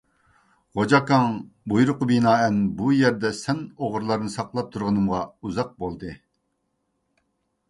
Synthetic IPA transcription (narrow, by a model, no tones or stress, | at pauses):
ʁod͡ʒɑkɑŋ | bujuɾʊqəbinɑːɛnbujɛɾd̪ɛsɛnoʁɾlˠɑɾɨnɨsɑqlˠɑp̚t̪ʰuɾʁənɨmʁɑuzɑq̚bolˠd̪ɨ